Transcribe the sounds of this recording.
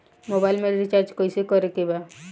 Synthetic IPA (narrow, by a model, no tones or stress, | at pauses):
mobajlmeɾɾit͡ʃaɾd͡ʒkojsikɔɾek̪iba